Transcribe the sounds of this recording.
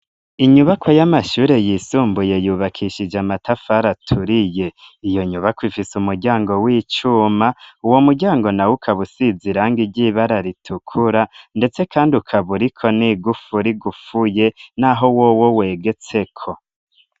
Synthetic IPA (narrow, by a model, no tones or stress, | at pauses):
iɲuβakʰo̞jamaʃuːɾe̞jisuːmbuje̞juːβakʰiʃid͡ʒamatafaɾatʰuɾije̞ijo̞ɲuβakwifisumuɾɟaːŋɡo̞wiːt͡ʃumauwo̞muɾɟaːŋɡo̞nawukʰaβusiziɾaŋɡiɟiβaɾaɾitʰukʰuɾande̞t͡se̞kʰaːndiukʰaβuɾikʰo̞niɡufuɾiɡufuje̞naɦo̞wo̞wowe̞ːɡe̞t͡se̞kʰo̞